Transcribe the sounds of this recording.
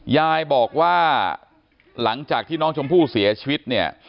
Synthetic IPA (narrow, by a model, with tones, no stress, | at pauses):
jaː˧jbɔː˨˩k̚waː˥˩ | la˩˦ŋt͡ɕaː˨˩k̚t̪ʰiː˥˩nɔː˦˥ŋt͡ɕʰo˧mpʰuː˥˩si˩˦ɐt͡ɕʰi˧wi˦˥t̪̚ni˥˩ɐ